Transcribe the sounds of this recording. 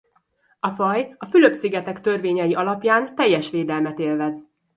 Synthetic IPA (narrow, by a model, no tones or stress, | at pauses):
ɒfɒjɒfyløpsiɡɛt̪ɛkt̪ø̞rveːɲɛjiʔɒlɒpjaːnt̪ɛjːɛʃʋeːd̪ɛlmɛt̪eːlvɛz